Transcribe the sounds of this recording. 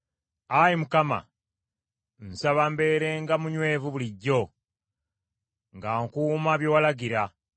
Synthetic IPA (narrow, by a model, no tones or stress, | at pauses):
ajimukama̰ | n̩saβambe̞ːɾe̞ŋɡamuɲwe̞ːvuβuliɟːo̞ | ŋɡaːŋkuːmaβjowalaɡiɾa